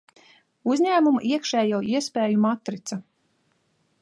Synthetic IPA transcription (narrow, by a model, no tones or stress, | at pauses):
uzʲɲʲæːmumuʔiɛkʃɛːjawiɛspʲɛːjumat̪ːɾit̪sa